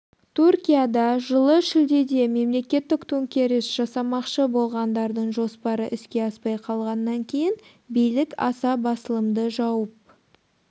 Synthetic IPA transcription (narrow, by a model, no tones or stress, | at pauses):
t̪ʰurkʲijad̪ɑʒəlˠəʃɪld̪e̞d̪e̞me̞mle̞kʲe̞t̪ːɪkt̪ʰuŋkʲe̞ɾɪsʒ̥ɑsɑmɑqʃəbo̞lˠʁɑnd̪ɑɾd̪əɴʒo̞spɑɾəʔɪskʲe̞ɑspɑjqʰɑlˠʁɑnːɑŋkʲʰe̞jɪn | bijlɪkɑ̰sɑbɑsəlˠəmd̪əʒɑwəp̚